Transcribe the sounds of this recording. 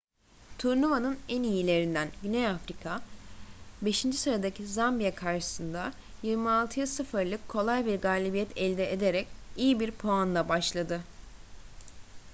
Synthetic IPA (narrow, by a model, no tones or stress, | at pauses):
t̪ʰuɾnuvanɯnænijilʲe̞ɾind̪ænɟynejafɾikʰa | be̞ʃind͡ʒisɯɾad̪acʰizambijakʰaɾʃɯ̥sɯnd̪a | jiɾmialˠt̪ʰɯjasɯfɯɾlˠɯkʰːo̞lˠajbiɾɡaːlʲibijɛt̪ʰɛlʲd̪ɛʔed̪eɾɛcijibiɾpʰo̞anlˠabaʃlˠad̪ɯ